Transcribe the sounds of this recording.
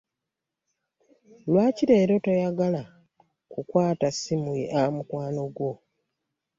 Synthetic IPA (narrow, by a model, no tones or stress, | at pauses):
lwaːciɾe̞ːɾo̞tojaɡala | kukwaːtasimuiʔamukwaːno̞ɡwo̞